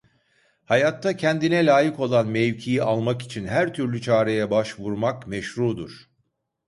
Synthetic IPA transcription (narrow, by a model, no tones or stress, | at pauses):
hajat̪ʰːacʰɛnd̪inɛlʲaːjiko̞lˠanmejcʰijialˠmaki̥t͡ʃʰinɦæɾt̪ʰyɾlʲyt͡ʃʰaːɾe̞jɛbaʃvuɾmakmɛʃɾuːd̪uɾ̥